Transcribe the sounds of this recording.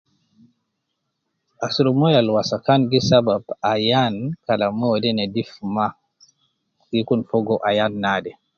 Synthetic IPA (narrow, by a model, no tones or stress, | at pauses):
ʔasuɾɔmɔjalwasakanɡisababajankalamɔdɛnɛdifma | ɡikunfɔɡɔʔajanːaːdɛ